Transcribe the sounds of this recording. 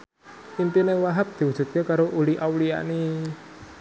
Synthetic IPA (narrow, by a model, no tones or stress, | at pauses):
ʔimp̪inewaɦap̚d̪̥i̤wu̥ʒ̥ṳt̪̚kekaɾoʔuliʔawlia̰ni